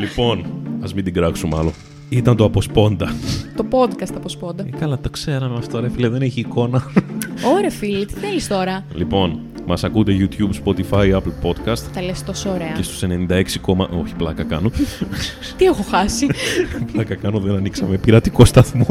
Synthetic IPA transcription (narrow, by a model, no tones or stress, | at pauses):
lipo̞nɐzmind̪iɡɾɐksumɐlo̞n | it̪ɐnt̪oɐpo̞spo̞nd̪ɐt̪opod̪kɐst̪ɐpospond̪ɐkɐlɐt̪ɐkse̞ɾɐmemɐft̪oɾeɐfileðeneçiːko̞nɐoɾeɐfilet̪i̥θelist̪o̞ɾɐlipo̞n | mɐsɐkund̪eʝut̪jubspo̞t̪ifɐjɐplpo̞d̪kɐst̪t̪ɐlest̪osoːɾeɐce̞st̪u̥sene̞nind̪ɐe̞ksiko̞mɐʔo̞çi̥plɐkɐkɐno | t̪iexoxɐsiplɐkɐkɐnoðenɐniksɐmepiɾɐt̪iko̞st̪ɐθmo